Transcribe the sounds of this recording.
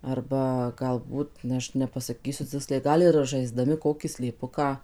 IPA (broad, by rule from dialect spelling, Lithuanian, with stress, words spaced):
ˈɐrbɐ ɡɐlˠˈbuːt ˈɐʃ nʲɛpɐsɐˈkʲiːsʲʊ ˈt͡sʲɪksʲlʲɛɪ ˈɡɐlˠ ɪr ʒɐɪˈzdɑːmʲɪ ˈkoːkʲiː sʲlʲeːˈpʊkɑː